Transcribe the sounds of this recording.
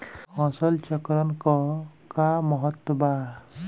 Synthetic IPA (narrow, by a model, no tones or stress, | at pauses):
hɔ̃sɔlt͡ʃɔkɾɔnkɔkamɔɦɔt̪ːɔba